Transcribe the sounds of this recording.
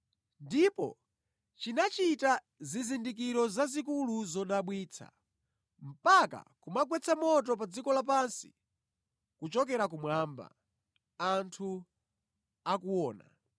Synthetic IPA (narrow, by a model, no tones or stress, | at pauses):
ndipɔ̰ | t͡ʃinat͡ʃita | zizindik̬iɾɔzazikuluzɔɗaɓwiːt͡sʰa̰ | m̩paka̰kumaɡwɛt͡sʰamɔtɔp̬ad͡zikɔlap̬ansi̥̰ | kut͡ʃɔkɛɾak̬umwamba̰ | antʰu | akuwɔːna̰